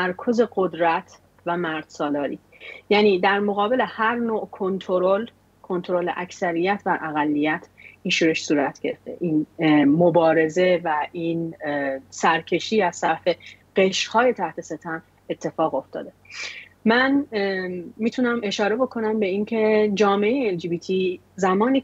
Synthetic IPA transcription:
æɾkʰo̞ze̞ɢod̪ɾæt̪ʰ | væmæɾd̪̥sɒːlɒːɾḭː | jæːniːd̪æɾmo̞ɣɒːbe̞le̞hæɾnoːʔkʰont̪ʰoɾol | kʰont̪ʰoɾolḛʔæksæɾijæt̪ʰbæɾʔæɣælːijæt̪ʰinʃuːɾe̞ʃsuːɾæt̪ʰɟ̥e̞ɾḛft̪e̞̰ʔinmobɒːɾe̞ze̞væʔin | sæɾcʰe̞ʃiːæz̥sæɾfe | ɢ̥e̞ʃhɒːje̞t̪ʰæht̪ʰe̞se̞t̪ʰæm | e̞t̪ʰːe̞fɒːɣo̞ft̪ɒ̰ːd̪e̞mæn | miːt̪ʰunæme̞ʃɒːɾe̞bo̞kʰo̞næmbe̞incʰe̞d͡ʒɒːmeejeeld͡ʒiːbiːt̪ʰi | zæmɒːniː

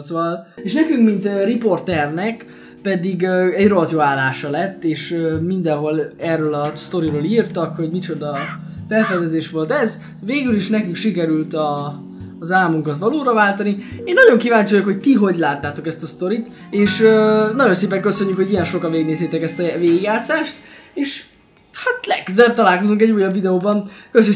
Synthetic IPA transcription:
t̪sʋɒleːʃnɛkyŋkmint̪ripo̞rt̪ɛrnɛk | pɛd̪iɡøɛɟrot̪joaːlːaːʃɒlɛt̪ːeːʃømind̪ɛnɦo̞lɛrːølɒst̪o̞ɾiɾoːliːrt̪ɒkho̞ɟmit͡ʃo̞d̪ɒ | fɛlfɛzɛzeːʃʋo̞lt̪ɛz | veːɡyliʃnɛkyŋkʃikɛɾylt̪ɒː | zaːmuŋkɒt̪ʋɒloːɾɒvaːlt̪ɒnieːnːɒɟo̞ŋkivaːɲt͡ʃojokho̞ct̪iɦo̞ɟlaːt̪ːaːt̪o̞kɛst̪ɒst̪o̞ɾit̪ | eːʃønɒɟo̞nseːpɛŋkøsø̞ɲːykho̞ɟijɛnʃo̞kɒnvʋeːɡneːseːt̪ɛkɛst̪ɒveːɡiɡjaːt̪saːʃt̪eːʃ | hat̪lɛkkøzɛb̚t̪ɒlaːlkozuŋkɛɟːuːjːɒbvid̪ɛoːbɒnkøs

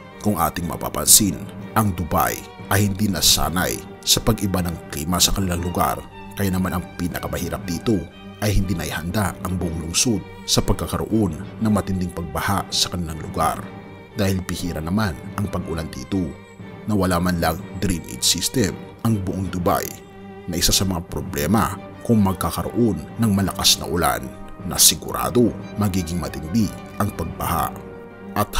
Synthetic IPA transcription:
kʊŋʔa̰ːt̪ɪŋmɐ̰pa̰pɐ̰nsinʔɐŋd̪ʊba̰j | ʔɐjhɪnd̪inɐsa̰ːnɐ̰j | sɐpɐɡʔɪbanɐŋkliːmɐsɐkɐnɪlaŋlʊɡa̰ɾ | kɐjanɐmanɐŋpiːnɐkɐmɐhiːɾɐp̚d̪iːt̪o̞ | ʔɐjhɪnd̪inɐ̰jhɐnd̪aʔɐŋbʊʔoŋlʊŋsod̪̚ | sɐpɐɡ̚kɐkɐɾo̰ʔo̞nːɐŋmɐt̪ɪnd̪iŋpɐɡ̚bɐhasɐ̥kɐnɪlaŋlʊɡa̰ɾ | d̪aːhɪlpɪhiːɾɐnɐmanʔɐŋpɐɡʔʊland̪ḭːt̪o̞ | nɐwɐlaːmɐnlɐŋd̪ɾinʔḭd̪sist̪ɛm | ɐŋbʊʔoŋd̪ʊba̰j | nɐʔɪsasɐmɐŋapɾoblɛ̰ːmɐ | kʊŋmɐɡ̚kakɐɾo̰ʔonːɐŋmɐlɐkasnɐ̰ʔʊla̰nːɐ̰sɪɡʊɾʔa̰ːd̪o̞mɐɡiːɡɪŋmɐt̪ɪnd̪i | ʔɐŋpɐɡ̚bɐ̰ha̰ | ʔɐt̪̚

